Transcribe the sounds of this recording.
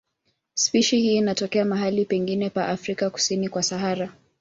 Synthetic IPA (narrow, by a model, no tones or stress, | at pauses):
spiʃihiːnatɔkɛamaɦalipɛŋɡinɛpaʔafɾikaku̥sinikwasaɦaɾa